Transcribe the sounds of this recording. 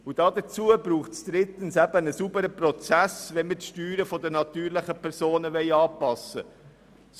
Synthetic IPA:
ʊd̥ɑːd̪ət͡suəbɾuːχtsd̥̪ɾɪt̪ənsæb̥ənəsubəɾəprɔt͡sæsʋɛnmətʃtyːɾəfɔd̪ənɑt̪yːɾlɪχəpʰɛɾsoːnəʋɛɪɑːpɑsə | s

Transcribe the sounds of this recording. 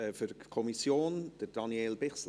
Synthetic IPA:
ɛfyɾkʰɔmisjoːnd̥əɾd̥ɑnjeːlbɪχsl

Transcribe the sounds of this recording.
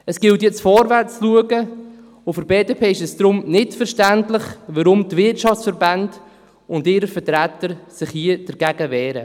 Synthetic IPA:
əsɡ̥ɪltjɛt͡sfɔɾvæɾt͡sluəɡə | ʊfɪɾbeːdepʰeːɪʃɛsd̥ɾʊmnɪtfəɾʃtæntlɪχʋəɾʊmtvɪtʃɑft͡ssfəɾband | ʊndɪɾəfəɾtɾætəɾsɪχhiəd̥əɾɡ̥æɡəvɛːɾə

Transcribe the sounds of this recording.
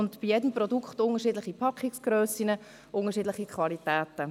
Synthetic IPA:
ʊntb̥ijɛdəmprɔdukχtʊnəʃiːdlɪχipʰɑkχɪksɡ̥ɾœːsinə | ʔʊŋəʃ̬iːdlɪχikχvɑlitæːtə

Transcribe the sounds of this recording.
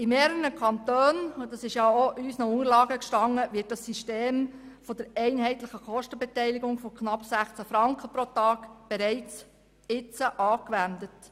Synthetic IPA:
ɪmeːɾəɾəkʰɑnt̪øːnd̥ɑsɪʃjɑoʔysnəʊŋəɾlɑːɡəkʃtɑŋːəʋɪːt̚dɑsːiʃteːmfɔd̥̪əɾɛɪnɦɛɪtləχəkɔʃtəbɛtɛɪliɡʊŋfɔkχnɑpːsæχt͡sæfɾɑŋkχəpɾotɑːɡ̥b̥ɛɾɛɪt͡s | ɪt͡səʔɑːkʋændət

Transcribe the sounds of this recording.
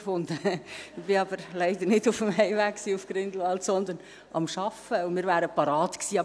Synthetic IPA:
fʊndəb̥ɪɑbəɾlɛɪd̪əɾnɪdʊfəmɦɛɪvæːkksiːʊfɡ̥ɾɪnd̪l̩ɑltsɔnd̪ən | ʔɑ̰mʃɑfəʊnmiːɾvæːɾəpɑɾɑːtksiːɑ

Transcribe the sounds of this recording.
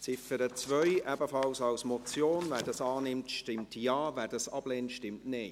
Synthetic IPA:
t͡sɪfəɾət͡svœʏʔɛbəfɑlsɑlsmɔt͡sjoːnvæːdɑsɑːnɪmtʃtɪmtʰjɑːvɛdɑsɑb̥leːntʃtɪmtnɪː

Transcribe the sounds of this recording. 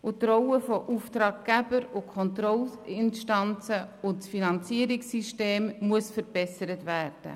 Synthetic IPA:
ʔʊtɾɔwəfɔʔuftɾɑːɡ̚ɡæbəɾʊkʰɔntɾɔlɪnʃtɑnt͡səʊnsfinɑnt͡siəɾɪksiʃteːmmuəsfəɾb̥ɛsəɾətvæːɾd̥ə̰

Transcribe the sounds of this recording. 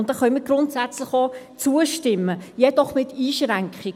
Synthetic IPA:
ʊntd̥ɑχœnmiːɡɾʊntsæt͡slɪχot͡suəʃtɪmːəjɛd̥ɔχmɪtʰiːʃɾæŋkχɪ

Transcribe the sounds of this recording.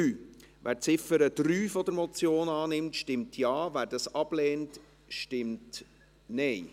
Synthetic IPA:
yː | ʋʔæ̰ːɾt͡sɪfəɾədɾyːfɔdəɾmɔt͡sjoːnɑːnɪmtʃtɪmtʰjɑːvæːɾdɑsɑb̥lɛːnt | ʃtɪmt | nɛɪ

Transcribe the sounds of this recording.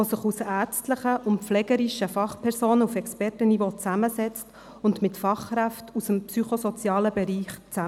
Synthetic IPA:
osəχusæːɾt͡stləχəʔʊnflɛɡəɾiʃəfɑχpʰɛɾsoːnəufɛkspɛrtənivot͡sæməsɛt͡st | ʊndmɪtfɑχkɾæftusəmpsyχosot͡sjɑːləbɛɾiːχt͡sæ

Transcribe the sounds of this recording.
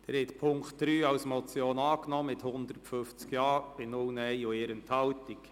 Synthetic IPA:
d̥̪ɛːɾɛt̪pʰʊŋktd̥ɾyːɑwsmɔt͡sjoːnɑːknɔːmɪthʊnd̪̥ərtfʏft͡skjɑːb̥ɪnʊlnɛɪoeːɾənthɑltik

